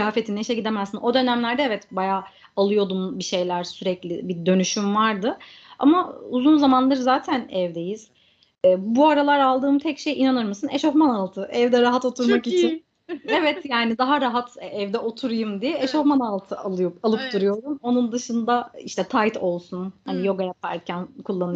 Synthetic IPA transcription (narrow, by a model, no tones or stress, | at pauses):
aːfe̞t̪ʰineʃɛɟid̪emɛzinʔo̞d̪ø̞næmlʲæɾd̪ɛevɛt̪bajaː | alˠɯjo̞d̪umbiʃe̞jlʲæɾsyɾɛclʲɪ̰bid̪ø̞nyʃymvaɾd̪ɯ | a̰mauzunzamanlˠaɾzaːt̪ʰænɛvd̪e̞jiz̥ | ɛːbuaɾalˠaɾalˠd̪ɯːmt̪ʰɛcʃe̞jʔinanɯɾmɯsɯneʃoxmanalˠt̪ʰɯʔɛvd̪ɛɾaɦat̪o̞t̪ʰuɾmmakit͡ʃʰin | evɛt̪jaːnid̪aɦaɾaɦat̪ɛvd̪ɛʔo̞t̪ʰuɾujumd̪ijɛeʃohmanalˠt̪ʰɯʔalˠɯjupalˠɯp̚d̪uɾujo̞d̪umo̞nund̪ɯʃɯnd̪aiʃt̪ʰɛt̪ʰajt̪ʰo̞lˠsunhanijo̞ɡajap̚æɾcʰænkʰulˠːanɯ